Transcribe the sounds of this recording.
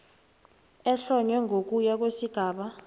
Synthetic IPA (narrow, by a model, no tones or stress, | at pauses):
ɛɬɔɲwɛŋʱok̬ujak̬wesiɡ̥ʱaːɓa